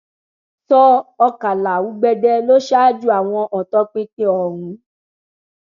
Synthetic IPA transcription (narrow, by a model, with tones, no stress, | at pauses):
sɔ˦ɔ˧ka˨la˨wu˨˦ɡ͡bɛ˧dɛ˧lo˦ʃa˦˨d͡ʒu˦a˨w̃ɔ̃˧ʔɔ˨tɔ˧˦k͡pĩ˧tẽ˦ɔ˨ɾũ˨˦